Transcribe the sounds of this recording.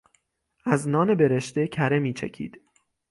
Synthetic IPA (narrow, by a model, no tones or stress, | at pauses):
ʔæznɒːne̞be̞ɾeʃt̪e̞cʰæɾe̞miːt͡ʃʰḛcʰḭːd̪̥